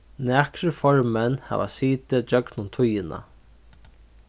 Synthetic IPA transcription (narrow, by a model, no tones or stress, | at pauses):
næːkɾɪfɔɹmɛnha̰ːʋa̰siːt̪ɪd͡ʒœknʊnt̪ʰʊjɪna̰